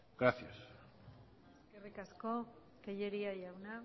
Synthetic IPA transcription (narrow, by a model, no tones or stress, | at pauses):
ɡɾaθjas | eskerikasko̞ | keʎeɾiajawna